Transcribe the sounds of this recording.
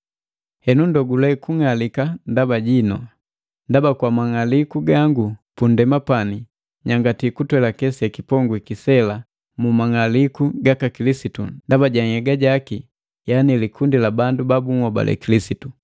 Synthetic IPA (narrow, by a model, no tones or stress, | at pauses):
hɛnundɔɡulɛkuŋalikandabaɟinɔ | ndabakwamaŋalikuɡaŋɡupundɛmapani | ɲaŋɡatikutwɛlakɛsiakipɔŋɡwikisɛla | mumaŋalikuɡakakilisitundabaɟaŋɛɡaɟaki | janilikʰundilabandubabuŋwɔba̰lʔɛ̰kilisitu